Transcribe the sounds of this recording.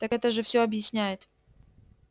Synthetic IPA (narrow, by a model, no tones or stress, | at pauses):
t̪akɛt̪əʐɨfsʲoɐbjɪsʲnʲæjɪt̪